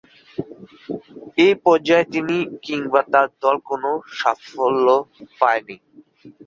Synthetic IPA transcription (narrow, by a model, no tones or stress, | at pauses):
ejpɔɾd͡ʑaet̪inikiŋbat̪aɾd̪ɔlkonoʃafolːopaeni